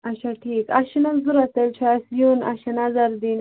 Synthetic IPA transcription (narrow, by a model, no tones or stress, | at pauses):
aʃaʈʰikaʃinalzuɾat̪elt͡ʃʰasjuna̰ʃanazaɾd̪in